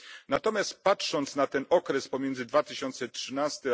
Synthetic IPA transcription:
nat̪ɔmʲjast̪̚patʂɔnt̪snat̪ɛnɔkɾɛspɔmʲjɛnzɘd̪vat̪ɘɕɔnt̪sɛtʂɘnast̪ɛ

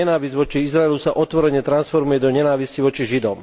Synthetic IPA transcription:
ɛnaːʋizɟʋɔt͡ʃiizɾaɛlusaʔɔt̪ʋɔɾɛɲɛt̪ɾansfɔɾmujɛd̪ɔɲɛnaːʋisciʋɔt͡ʃiʒid̪ɔm

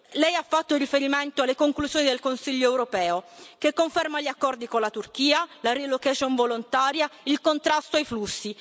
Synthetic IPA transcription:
lɛjafːat̪ːorifeɾiment̪oalːekoŋkluzjoːnid̪elkonsiʎːoɛwɾopɛːokekːoɱfermaʎːiakːɔrd̪ikonlat̪urk̟iːalaɾilokat͡ʃoɱvolont̪aːɾjailkont̪ɾast̪oajflusːi

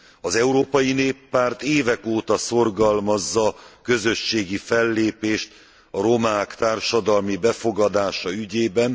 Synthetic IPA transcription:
ɒzɛuɾoːpɒjineːpːaːrt̪eːvɛkoːt̪ɒso̞rɡɒlmɒzːɒkø̞zøʃːeːɡifɛlːeːpeːʃt̪ | ɒɾo̞maːkt̪aːrʃɒd̪ɒlmibɛfo̞ɡɒd̪aːʃɒyɟeːbɛn

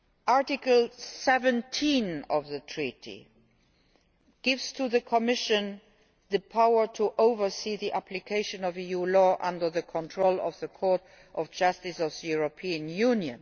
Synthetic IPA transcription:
ʔaɹtɪkəlsɛvə̃ntʰĩnɔvðətʰɹitʰḭ | ɡ̥ɪvz̥tʰuðəkʰɔmɪʃə̃n | ðəpʰaʊə˞tʰuʔoʊvə˞siːðiʔæpʰlikʰeɪʃə̃nɔvijuːlɔːʔʌ̃ndə˞ðəkʰɔ̃ntʰɹoʊlɔ̰vðəkʰɔːɹt | ʔɔfd͡ʒʌstɪsɔvðəjuɹopʰiːə̃njunjə̰̃n

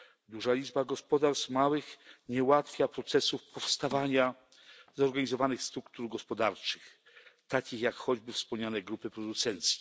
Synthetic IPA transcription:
d̪uʐalʲid͡ʐbaɡɔspɔd̪aɾst̪mawɘxɲɛwat̪fʲjapɾɔt̪sɛsufpɔfst̪avaɲa | zɔɾɡaɲizɔvanɘxst̪ɾukt̪uɾɡɔspɔd̪aɾt͡ʂɘ̥x | t̪akʲixjakxɔd͡ʑbɘfspɔmɲanɛɡɾupɘpɾɔd̪ut̪sɛnt̪sʲi̥

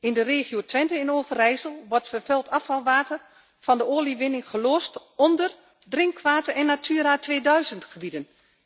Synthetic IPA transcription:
ɪndəreːχjotʋɛntəɪnoːvərɛjsəlˠʋɔrtfərfɛlˠtʰɑfɑlˠʋaːtə | fɔndəoːliʋɪnɪŋχəloːstɔndər | drɪŋkʋaːtəɛnːatʰyːɾaːtʰʋeːdœɥzəntχəbidən

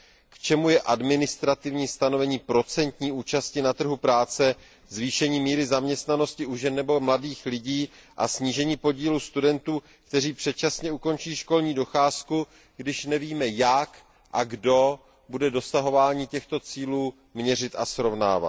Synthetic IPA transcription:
kt͡ʃɛmujɛʔadmɪnɪst̪ɾat̪ɪvɲiːst̪ano̞vɛɲiːpɾo̞t͡sɛnt̪ɲiːuːt͡ʃascɪnat̪r̩ɦupɾaːt͡sɛ | zviːʃɛɲiːmiːɾɪzamɲɛst̪nano̞scɪʔuʒɛnːɛbo̞mladiːxlɪɟiːʔa̰sɲiːʒɛɲiːpo̞ɟiːluːst̪udɛnt̪uː | kt̪ɛriːpr̥ɛt̪̚t͡ʃasɲɛuko̞nt͡ʃiːʃko̞lɲiːdo̞xaːsku | ɡdɪʃnɛviːmɛjak | ʔaɡdo̞ | budɛdo̞saɦo̞vaːɲiːcɛxt̪o̞t͡siːluː | mɲɛr̝ɪt̪asɾo̞vna̰ːva̰t̪

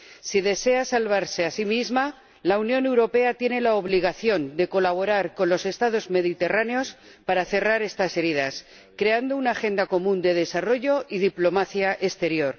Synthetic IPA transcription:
siðe̞se̞asalβ̞aɾse̞asimizma | launjo̞ne̞wɾo̞pe̞at̪je̞ne̞laoβliɣ̞aθjo̞nd̪e̞ko̞laβ̞o̞ɾaɾko̞nlo̞se̞st̪aðo̞zme̞ðit̪e̞raneo̞s | paɾaθe̞raɾe̞st̪ase̞ɾiðas | kɾe̞and̪o̞unaxe̞nd̪ako̞mũnd̪e̞ð̞e̞saro̞ʝo̞ʔiðiplo̞maθjaʔe̞st̪e̞ɾjo̞ɾ

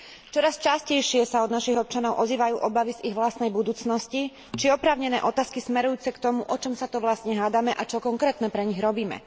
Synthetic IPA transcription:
t͡ʃɔɾast͡ʃascɛjʃɪɛsaɔd̪naʃiɣɔp̚t͡ʃanɔʊʔɔziːʋajuːʔɔbaʋiziɣʋlast̪nɛjbud̪uːt͡snɔsci | t͡ʃiɔpɾaːʊɲɛnɛːʔɔt̪aːskismɛɾujuːt͡sɛkt̪ɔmuʔɔt͡ʃɔmsat̪ɔʋlasɲɛɦaːd̪amɛʔat͡ʃɔkɔŋkɾɛːt̪nɛpɾɛɲiɣɾɔbiːmɛ̰

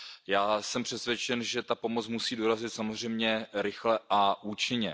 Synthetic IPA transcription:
jaːsɛmpr̝̥ɛsvjɛt͡ʃɛnʒɛt̪apo̞mo̞t͡smusiːdoɾazɪt̪samo̞zr̝ɛjmɲɛɾɪxlɛʔaʔuːt͡ʃɪɲɛ̰

